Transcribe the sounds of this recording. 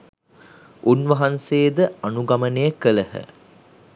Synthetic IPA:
ʔunʋɐɦanseːd̪əanuɡamənejəkələhə̰

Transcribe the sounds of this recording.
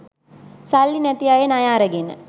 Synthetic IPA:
salːinæt̪ijajenajaːɾəɡenə̰

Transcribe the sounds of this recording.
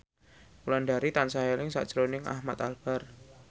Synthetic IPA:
ulanɖaɾit̪ansaɦelɪŋsa̰ʔd̥ʒ̥ɾonɪŋa̰hmat̪alb̥ar

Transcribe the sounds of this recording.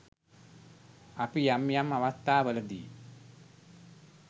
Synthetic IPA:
apijamjamaʋast̪ːaːʋələd̪ḭː

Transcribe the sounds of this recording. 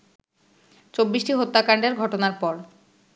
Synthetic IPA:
t͡ɕobːiʃʈiɦot̪ːakaɳɖeɾɡʱɔʈonaɾpɔɾ

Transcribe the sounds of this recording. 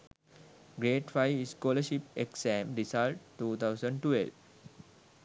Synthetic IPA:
ɡɾeːʈfaɪiskɔːləʃipeksæ̃mɾisalʈʈːuːt̪ʰaʊsə̃ɳɖʈḛlʋ

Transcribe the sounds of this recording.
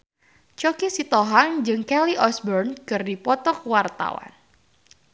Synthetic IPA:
t͡ʃɔkisit̪ɔɦaŋd͡ʒɨŋkɛliʔɔsbɔrnkɨrdipɔt̪ɔk̚wart̪a̰wa̰n

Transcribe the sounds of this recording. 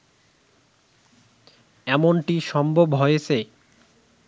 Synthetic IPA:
ɛmonʈiʃɔmbʱobɦojet͡ɕʰe

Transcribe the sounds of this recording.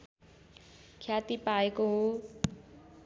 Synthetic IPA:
kʰjat̪ipaeko

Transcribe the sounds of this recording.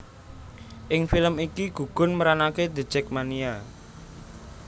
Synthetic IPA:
ʔɪŋfiləmikiɡ̥ṳɡ̥ʊ̤nməɾanaked̪ə̤̥d͡ʒ̥ɛk̚mania

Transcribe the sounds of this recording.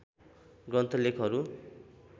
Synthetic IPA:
ɡrʌnt̪ʰʌlekʰɦʌɾu

